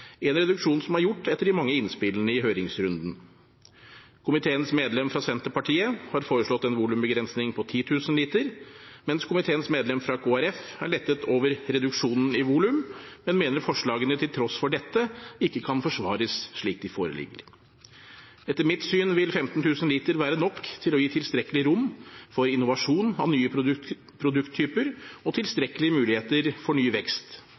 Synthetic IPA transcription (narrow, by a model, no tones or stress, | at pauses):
ɛnɾɛd̪ʉkʂuːnsɔmæɾjʊʈːɛt̪ːəɖɪmɑŋːəɪnspɪlənəɪɦøːɾɪŋsɾʉnd̪n̩ | kʰʊmɪt̪ʰeːənsmeːd̪lɛmfɾɑsɛnt̪əɾpɑʈʰiːəhɑɾfoːɾəʂɭɔt̪ːɛnʋuːlʉmbəɡɾɛnsnɪŋpʰɔt̪ʰiːt̪ʰʉːsənliːt̪əɾmɛnskʰʊmɪt̪ʰeːənsmeːd̪lɛmfɾɑkʰoːæɾɛfæɭɛt̪ːət̪ʰoːʋəɾɾɛd̪ʉkʂuːnn̩ɪʋuːlʉmmɛnmeːnəɾfɔʂɭɑːɡənət̪ʰɪlt̪ʰɾɔsfɔɖɛt̪ːəɪkːəkʰɑnfɔʂʋɑ̰ːɾəsʂɭiːk̚d̪ɪfoːɾə̰lɪ̰ɡːə̰ɾ | ɛt̪ːəɾmɪt̪syːnʋɪlfɛmt̪n̩t̪ʰʉːsənliːt̪əɾʋæːɾənɔkːt̪ʰɪlɔjiːt̪ʰɪlst̪ɾɛkəlɪɾʊmfɔɾɪnʊʋɑʂuːnɑ̰ʋnyːə | pʰɾʊd̪ʉkt̪ʰːyːpəɾɔt̪ʰɪlst̪ɾɛkəlɪəmʉːlɪheːt̪əɾfɔɳyːʋɛkst̪